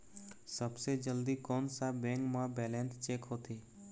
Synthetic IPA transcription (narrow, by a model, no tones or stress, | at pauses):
səbsed͡ʒəld̪iːkɔːnsabɛ̃ːŋkmãbɛːlɛ̃ːnst͡ʃeːkɦoːt̪ʰeː